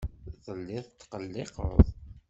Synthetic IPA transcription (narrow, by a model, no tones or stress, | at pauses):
ðəlːɪðˤt̪ːqəlːɪqə̰ðˤ